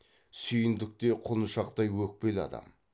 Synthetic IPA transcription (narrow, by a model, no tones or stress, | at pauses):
sʏjɪnd̪ɪk̚t̪e̞qʰʊnəʃɑqt̪ɑjwɵk̚pe̞lɑ̰d̪ɑ̰m